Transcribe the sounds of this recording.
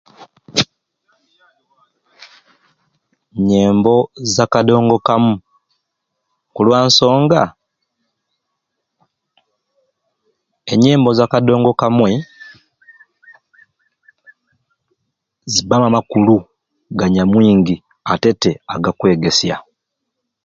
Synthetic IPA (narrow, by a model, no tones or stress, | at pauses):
ɲeːmbo̞zakado̞ːŋɡo̞kamu | kulwaːnso̞ːŋɡa | eɲːe̞ːmbo̞zakado̞ːŋɡo̞kamwe | zibamamakulu | ɡaɲamwiːŋɡi | ate̞te̞aɡakwe̞ːɡe̞sja̰